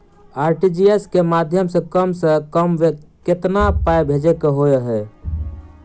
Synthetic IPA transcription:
aɾʈid͡ʒieskemad̪ʱjəmsə̃kəmsə̃kəmʋeket̪napajbʱed͡ʒekeɦoeɦɛ

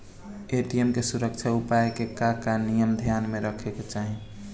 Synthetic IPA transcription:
eʈiemkesuɾək̚t͡ʃʰaupaekekakanijəmd̪ʱjanmeɾəkʰeket͡ʃaɦi

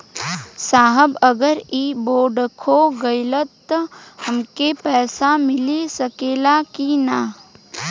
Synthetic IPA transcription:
saːɦəbəɡəɾiːboːɖkʰoɡəɪlət̪ːhəmkepɛːsamɪlisəkeːlakina

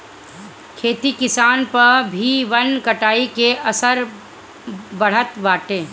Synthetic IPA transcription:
kʰeːt̪ikɪsaːnpɐɾbʱiʋɐnkɐʈaːikeɐsəɾ | bɐɽ̤ət̪ʋaːʈẽː

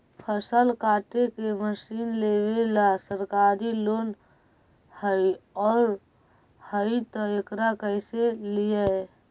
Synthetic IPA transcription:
pʰəsəlkaːʈekeməsiːnlewelasəɾkaːɾiloːn | həiɔːɾ | həit̪əekɾakəɪselijə

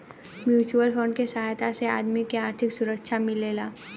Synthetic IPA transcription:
mjuːt͡ʃuəlfoːɳɖkesɐɦaːjt̪asea̰ːd̪mikeaːɾt̪ʰɪksʊɾəkʃʰamɪleːlaː

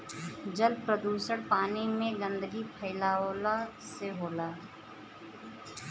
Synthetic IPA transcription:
d͡ʒəlpɾəd̪uːsəɽpaːnimẽɡə̃nd̪əɡipʰəɪlaːoːlaseɦoːlaː

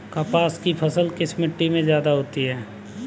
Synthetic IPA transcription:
kaːpaːskipʰɐsəlkɪsmɪʈːimẽzjaːd̪aɦoːt̪iɦɛː

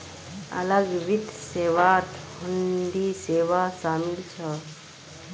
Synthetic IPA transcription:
ɐ̰ləɡʋid̪ʱseːʋat̪hund̪iːseːʋasaːmilt͡ʃʰə

